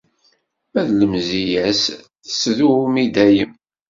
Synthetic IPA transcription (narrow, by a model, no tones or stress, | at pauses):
mæðləmzijæs | θəsðumid̪æjəm